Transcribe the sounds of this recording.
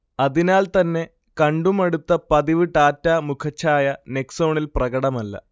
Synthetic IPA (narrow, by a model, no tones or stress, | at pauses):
ɐðinaːlt̪ɐnːe̞ | kɐɳɖumɐɽut̪ːɐpɐðiʋiʈːaːtːaːmukʰɐt͡ɕʰːaːjɐne̞kso̞ːɳilprɐɡɐɽɐmɐlːɐ̰